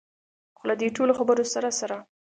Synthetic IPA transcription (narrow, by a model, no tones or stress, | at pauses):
xolad̪eʈoloxabəɾosaɾasaɾa